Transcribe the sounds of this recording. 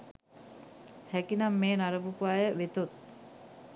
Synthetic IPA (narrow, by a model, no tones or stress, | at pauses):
hækinamːeːnaɾəpupuaːjəʋet̪ut̪̚